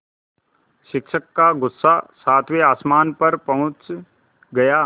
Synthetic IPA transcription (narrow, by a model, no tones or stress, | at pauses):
ʃɪkʃəkːaɡʊsːasaːt̪ʰweaːsmaːnpɐɾpɐɦʊ̃t͡ʃ | ɡɐjaː